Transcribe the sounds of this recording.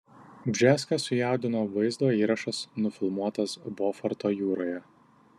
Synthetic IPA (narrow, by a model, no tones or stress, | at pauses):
bʲʒʲæːskɐsʊjæˑʊd̪ʲɪnoːʋɐɪzd̪oːiːɾɐʃɐsnʊfʲɪlˠmuɔt̪ɐsboːfɐɾt̪oːjuːɾoːjɛ